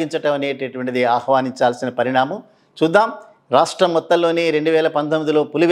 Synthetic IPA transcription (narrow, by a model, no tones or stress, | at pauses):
iɲt͡ʃɐʈɐmɐneːʈeʈuʋɐɳʈid̪iaːhʋaːniɲt͡ʃaːlsinɐpɐɾiɽaːmɐm | t͡ʃuːd̪ːaːm | ɾaːʂʈɾɐmːɔt̪ːɐlːo̞ːneːɾe̞ɳɖuʋɛːlɐpɐnt̪omid̪ilo̞ːpuliʋ